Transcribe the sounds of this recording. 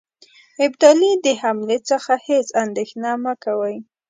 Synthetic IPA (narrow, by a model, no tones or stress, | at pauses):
ɪbd̪ɑlid̪əhamlet͡səxahesand̪exnɑmakawəj